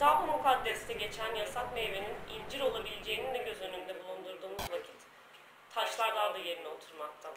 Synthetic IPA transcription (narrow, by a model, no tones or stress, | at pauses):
d̪̥abumukʰad̪ːɛst̪ɛɟe̞t͡ʃʰænjasat̪meveninilʲd͡ʒiɾo̞lˠabilʲed͡ʒe̞jinind̪ɛɟø̞zø̞nymynd̪ɛbulˠund̪uɾd̪uːmuzvacʰi̥t̪ʰː | aʃlˠaɾd̪and̪aje̞ɾinɛo̞t̪ʰuɾmak̚t̪ʰa